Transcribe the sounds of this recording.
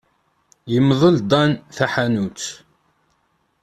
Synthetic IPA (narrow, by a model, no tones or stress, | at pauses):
jəmðˤəld̪ˤɑnθæħanut͡s